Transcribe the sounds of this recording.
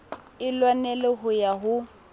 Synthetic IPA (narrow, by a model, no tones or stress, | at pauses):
ɪlwanɛlɪɦʊjaɦʊ